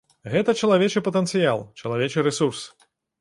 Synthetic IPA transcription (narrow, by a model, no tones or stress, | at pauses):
ɣɛt̪ɐt͡ʃɐlˠavʲet͡ʃɨpɐt̪ɛnt̪sɨjalˠt͡ʃɐlˠavʲet͡ʂɨɾɛsurs